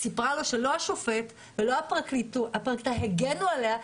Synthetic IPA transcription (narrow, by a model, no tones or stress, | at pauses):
sipʁalo̞ʃelo̞aʃofe̞t | velo̞apʁaklit̪uapʁakt̪aɦeɡenualea